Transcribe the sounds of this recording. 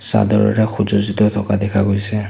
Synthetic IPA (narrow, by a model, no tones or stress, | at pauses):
sa̰dɔɹɔ̰ɹɛxuzɔzitɔt̪ʰɔkadɛkʰaɡojsɛ